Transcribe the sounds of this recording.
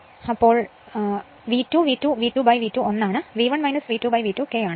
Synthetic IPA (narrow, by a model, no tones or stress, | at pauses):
ɐpːo̞ːɭ | ʋiːtːuːʋiːtːuʋiːʈːuːbɐjʋiːtːuonːaːɳɨʋiːʋɐɳʋɐjnɐsʋiːʈːuːbɐjʋiːtːukːeːjaːɳɨ